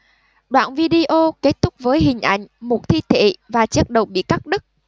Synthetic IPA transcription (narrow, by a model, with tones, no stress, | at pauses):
ɗwa̰ː˧˨nvi˧ɗi˧ʔo˧ke˦˥t̚t̪ʊ˦˥k͡p̚vəː˨˦jɦï˨˩ŋ̟ʔa̰˧˩jŋ̟mʊ˨˩t̚t̪ʰi˧t̪ʰḛ˧˨vaː˨˩t͡ɕi˦˥ət̚ɗə˨˩wɓḭ˧˨ka˦˥k̚ɗɨ˦˥k̚